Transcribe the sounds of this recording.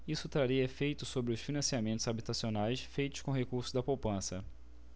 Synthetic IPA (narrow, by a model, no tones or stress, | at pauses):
isʊt̪ɾaɾiɐefejt̪ʊsobɾɪʊsfinɐ̃siamẽnt̪ʊzabit̪asionajsfejt̪ʊ̥ʃkõɦekuɾsʊzd̪ɐpowpɐ̃sɐ